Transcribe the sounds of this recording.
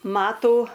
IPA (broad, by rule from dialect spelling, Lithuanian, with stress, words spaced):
ˈmɑːtuː